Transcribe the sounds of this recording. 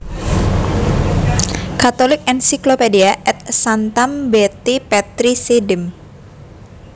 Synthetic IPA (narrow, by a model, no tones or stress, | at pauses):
kat̪olɪk̚ɛnsiklopediaʔɛt̪̚sant̪ambɛt̪ipɛt̪ɾisedɪm